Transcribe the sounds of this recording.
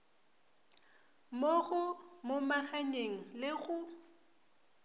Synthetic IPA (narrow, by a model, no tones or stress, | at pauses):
moɣʊmʊmaɣaɲeŋ̩lɪɣʊ